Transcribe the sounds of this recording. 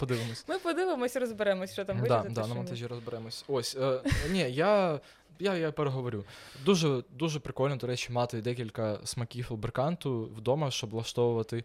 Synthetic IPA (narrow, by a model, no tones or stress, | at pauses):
pɔd̪ɪʋɪmɔsʲmɪpɔd̪ɪʋɪmɔsʲiɾɔzbeɾɛmɔsʲt͡ʃɔt̪amdad̪nɐmɔnt̪aʒʲiɾɔzbeɾɛmɔsʲosʲnʲija | jajapɛɾɛɦɔʋɔɾʲud̪uʒɛd̪uʒɛpɾɪkɔlʲnɔd̪ɔɾɛt͡ʃimɑt̪ɪd̪ɛkʲilʲkɐsmɐkʲiflˠbɾkɑnt̪ʊwd̪ɔmɐʃt͡ʃɔblˠɐʃt̪ɔʋʊʋɐt̪ɪ